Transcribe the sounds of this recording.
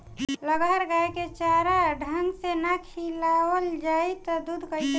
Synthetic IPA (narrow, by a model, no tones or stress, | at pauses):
ləɡaɾɡaeket͡ʃaɾaɖʱənsenakʰilawəld͡ʒaːit̪ɔd̪ud̪ʱkəi